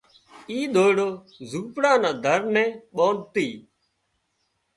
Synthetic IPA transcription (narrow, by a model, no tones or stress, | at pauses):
iːɗ̪ʱoːɽoː | zuːpɽãːnãːd̪ʱəɾnɛ̃ːɓoːɳt̪iː